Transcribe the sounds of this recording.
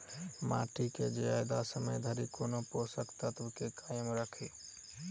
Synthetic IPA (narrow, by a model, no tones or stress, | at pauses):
ma̰ːʈiked͡ʒeaːɪd̪asəməjd̪ʱəɾikoːnoposəkt̪at̪ʊkekaːjəmɾəkʰi